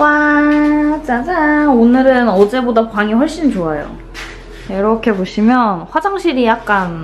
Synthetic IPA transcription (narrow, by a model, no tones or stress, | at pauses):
wa | t͡ɕad͡ʑaonɯɾɯnʌd͡ʑe̞bodapaŋiɸʌɭɕ͈int͡ɕoajo̰ | iɾʌkʰe̞boɕʰimjʌnɸwad͡ʑaŋɕʰiɾijak̚k͈an